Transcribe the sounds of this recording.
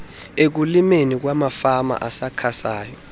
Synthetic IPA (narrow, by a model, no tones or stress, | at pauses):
ek̬ulimenik̬wamafama̰ʔasakʰasaːjɔ